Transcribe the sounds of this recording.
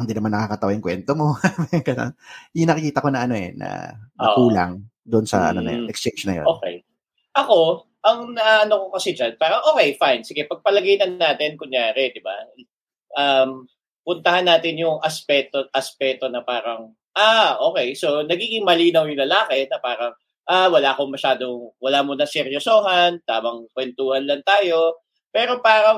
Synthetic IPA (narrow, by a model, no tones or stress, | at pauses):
ɪnd̪inɐmanːɐkakɐt̪ɐwajʊŋkwɛnt̪omo̞amŋkɐlo̰njʊŋnɐkɪkiːt̪ɐko̞nɐʔɐno̞ɛ̰nɐ̰nɐkuːla̰ŋ | d̪ʊʔonsɐ̰ʔɐ̰nonɐ̰jo̰nʔɛkst͡ʃent͡ʃnɐ̰j̰oːkɛ̰j | ʔɐko̞ | ʔɐŋnɐaɐnokokɐsɛd͡ʒanpaːɾɐŋʔoːkɛjfajnsɪɡɛpɐɡ̚pɐlɐɡɐjnɐnːaːt̪ɪnkʊɲjaːɾɛd̪ɪba̰ | ʔɐm | pʊnt̪ɐhanːaːt̪ɪnjʊŋʔɐspɛt̪oʔɐspɛːt̪o̞nɐpaːɾɐŋ | ʔaːʔo̞ːkɛjso̞nɐɡiːɡɪŋmɐliːnɐwjʊlɐlaːkɛnɐpaːɾɐŋ | ʔawɐlaːkoŋmɐʃaːd̪o̞ŋwɐlaːmonɐsɛɾjosoːɦɐnt̪aːmɐŋkwɛnt̪uːhɐnlɐnt̪aːjo̞ | pɛːɾo̞paːɾɐŋ